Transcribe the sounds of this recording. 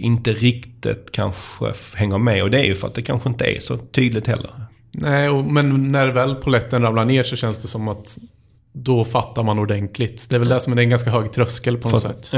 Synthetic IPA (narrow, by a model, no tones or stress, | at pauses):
ɪnt̪əɾɪkt̪ɪ̰t̪kʰa̰nɧə̰hɛŋːəɾmɛɔd̪ɛæɾjɵfœɾa̰t̪̚d̪ɛkʰanɧəɪnt̪əæ̰ɾsɔt̪ʰyːd̪lɪt̪hɛlːə̰ɾ | nɛɪɔmɛnːæɾvɛlːpʰʊlɛt̪ːənɾamblaɳeːʂɔɕɛnsd̪ɛsɔmːat̪ | d̪ɔfat̪ːaɾmanʊɖ̪ɛnt̪ʰlɪt̪d̪ɛæːɾvɛld̪æʂɔmd̪ɛɾɛnɡanskaɦœːɡt̪ʰɾœskəlpʰɔnsɛ̰t̪ː